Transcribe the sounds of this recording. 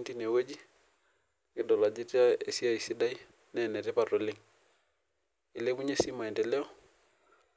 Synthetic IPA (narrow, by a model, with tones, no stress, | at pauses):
nti˦ne˨we˦d͡ʒi˦ | kɪ˦dɔ˨la˨d͡ʒi˦te˦a˦e˦si˦a˦˨i˨si˦da˦i˦ | nɛnɛ˨tɛ˦pa˨ɾo˨lɪ˦ŋ | ɪ˨le˦bu˦ɲe˦si˦ma˨i˨ntɛ˨lɛ˦ɔ˦